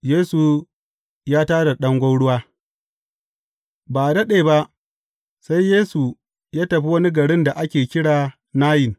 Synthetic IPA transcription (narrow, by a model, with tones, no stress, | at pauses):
jeː˦su˨ | jaː˦taː˦ɽa˨ɗɐ˦ŋɡʷɐ˦wɽʊ˦waː˦ | baː˨dɐ˦ɗeː˨ba˦ʔ | sa˦jːeː˦su˨ | jaː˦tɐ˨ɸi˦wɐ˦ni˦ɡɐ˨ɽɪ˦nda˨ʔa˦kʲeː˨kʲɪ˦ɽaː˨ | naː˦jɪ˨ŋ